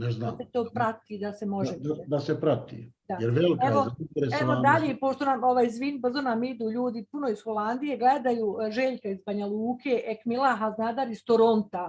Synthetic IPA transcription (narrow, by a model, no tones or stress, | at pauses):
neznaaset̪o̞ːpɾat̪iːd̪asemo̞ʒead̪asepɾat̪ḭd̪ajeɾʋelikeʋoaint̪ɾeseʋod̪aʎepo̞ʃt̪o̞namo̞ʋajzʋiːnbr̩zo̞namid̪uːʎuːd̪ipuno̞isxo̞land̪ije̞ɡled̪ajuːʒe̞ːʎkaizbaɲalˠuːke̞ːʔekmilˠaɦaznad̪aɾist̪oɾo̞nt̪a